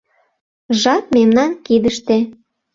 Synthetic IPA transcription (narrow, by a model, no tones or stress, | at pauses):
ʒɑt̪̚memnɑnkid̪əʃt̪ĕ